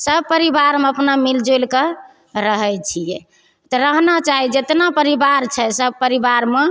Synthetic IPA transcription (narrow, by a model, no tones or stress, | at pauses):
səb̚pəɾibaɾmeəpnamild͡ʒolkə | ɾəɦɛt͡ʃʰijɛ | t̪ɔɾəɦnat͡ʃaɦid͡ʒet̪napəɾibaɾt͡ʃʰɛsəb̚pəɾibaɾme